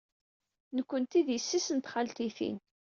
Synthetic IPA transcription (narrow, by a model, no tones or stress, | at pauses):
nəkʷːənt̪iðjəsːisənt̪χalt̪iθḭn